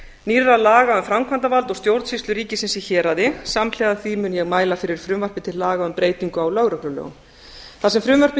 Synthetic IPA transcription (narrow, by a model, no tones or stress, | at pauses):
nirːalaːɣaʏmfɾamkʰvant̪avalt̪ɔɣst̪jowɾt̪sist̪ʏɾiːcɪsɪnsiçɛːɾaðɪsaml̥ɛɣðaθvimʏnjɛɣmaːjlafɪɾɪɾ̥fɾʏmvœr̥pɪt̪ʰɪlːaːɣaʏmpɾeːjt̪iŋkʏawlœɣɾœklʏlœ̰ːɣʏ̰m | θasɛmfɾʏmvœr̥pɪ